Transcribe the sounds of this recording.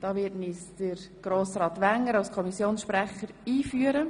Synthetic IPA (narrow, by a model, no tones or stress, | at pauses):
d̥ɑːʋɪtnisd̥əɾɡ̥ɾoːsɾɑːtʋæŋːəɾɑlskʰɔmisjoːnsʃpɾɛχəɾiːfyːəɾə